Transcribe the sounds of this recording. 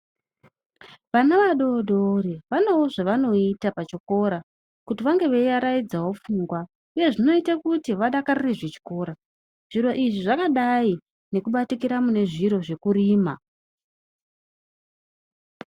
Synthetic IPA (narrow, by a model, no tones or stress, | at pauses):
ʋanaʋaɗo̞ːɗoreʋanouʐaʋano̞itapat͡ʃoko̞ɾa | kutiʋaŋɡe̞ʋejaɾaid͡zawo̞fuŋɡwa | uje̞ʐino̞itakutiʋaɗakarireʐet͡ʃi̥ko̞ːɾa | ʐ̥iɾo̞ʔiʐiʐakaɗai | ne̞kuɓatikiɾamune̞ʐiɾo̞ʐe̞kuɾiːma